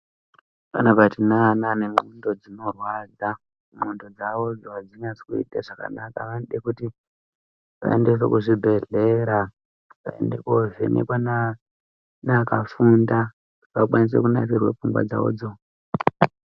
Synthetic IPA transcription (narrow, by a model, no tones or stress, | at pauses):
panabʱatinananemundo̞d͡zino̞rwad͡za | mundo̞d͡zaʋo̞d͡zoɦad͡ziɲat͡si̥kuḭɗaʐ̥aka̰nakaʋanɗekuti | ʋa̰endes̬ḛkuʐibʱe̞ɮeɾa | ʋa̰ḛndekoʐḛnʔḛkwana | nakafunda | ʋakwanis̬ḛkunarirwap͡fumbwa̰d͡za̰o̰ːd͡zo